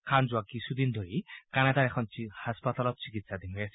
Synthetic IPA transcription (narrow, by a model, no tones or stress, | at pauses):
kʰanzuwakisʰud̪ind̪ʱoɹikanad̪aɹɛkʰɔnt͡ʃihaspat̪alɔt̪̚sikit̪sad̪inɔjas